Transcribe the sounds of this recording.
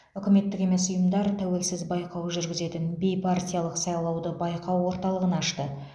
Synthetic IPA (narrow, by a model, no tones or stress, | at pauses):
ʏkʲɪme̞t̪ːɪkʲe̞me̞sʊjəmd̪ɑɾt̪ʰæwe̞lsɪzbɑjqʰɑwʒʏɾɡʲɪze̞t̪ɪnbe̞jpʰart̪ʲijalˠəqsɑjlˠɑwd̪əbɑjqɑwːo̞ɾt̪ɑlˠəʁənɑʃt̪ə